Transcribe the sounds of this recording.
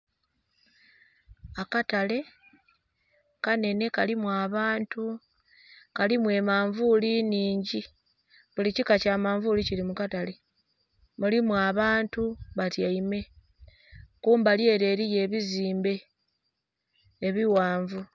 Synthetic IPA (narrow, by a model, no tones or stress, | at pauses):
akatale̞ | kane̞ne̞kalimwaːβaːntu | kalimwe̞ːmaːɱvuliniːɲɟi | βulicikacaːmaːɱvulicilimukatale̞ | mulimwaːβaːntuβatjaime̞ | kuːmbalje̞ːɾe̞ːɾije̞ːβiziːmbe̞ | βiwaːɱvu